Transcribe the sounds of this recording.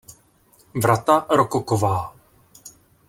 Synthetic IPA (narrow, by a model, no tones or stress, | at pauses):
vɾat̪aɾokokovaː